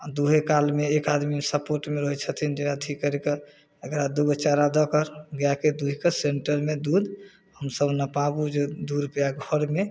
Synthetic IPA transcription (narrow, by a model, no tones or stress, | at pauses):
ad̪uɦekalmeːkad̪misəpoɾʈmeɾɔɦɛt͡ʃʰət̪ʰind͡ʒenat̪ʰikːəɾeke | əkɾad̪ubət͡ʃaɾad̪ɔkəɾɡjaked̪uɦikəseɳʈəɾmed̪ud̪ | həmsəbnəpabud͡ʒed̪uɾpejaɡʱɔɾme